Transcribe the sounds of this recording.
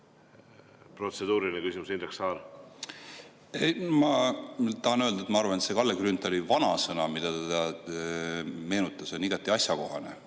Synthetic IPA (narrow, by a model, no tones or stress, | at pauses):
pro̞t̪sed̪uːɾilʲinəkysimusineksɑːɾ | emɑt̪ɑɦɑnøld̪̥ɑet̪mɑɑrvɑnet̪se̞kɑlːeɡrynt̪ːˑolivɑnɑsɤnɑmid̪ɑt̪ed̪ɑ | me̞ːnut̪ːˑɑso̞nʲiɡɑt̪ːˑiɑsjɑko̞ɦɑne̞̰